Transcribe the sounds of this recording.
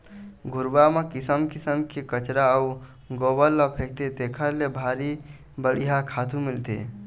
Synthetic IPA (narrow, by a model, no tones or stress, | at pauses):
ɡʱʊɾbamekɪsəmkɪsəmkekət͡ʃɾaə | ɡobəlːəpʰek̚t̪et̪ekʰəɾlebʱaɾi | bəɽiɦakʰaːt̪ũmilt̪ḛ